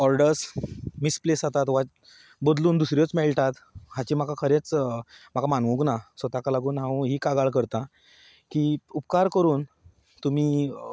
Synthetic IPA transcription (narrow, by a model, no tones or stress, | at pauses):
ɔɾɖəɾsmisplesat̪at̪ʋa | bod̪luːnd̪usɾjot͡smɛɭʈat̪ɦãt͡ɕiːm̤akakʰəɾet͡smakamanʋũknasət̪akalaɡuːnɦãũɦiːkaɡaɭkəɾt̪ã | kiːupkaɾkəɾuːn | t̪um̤iː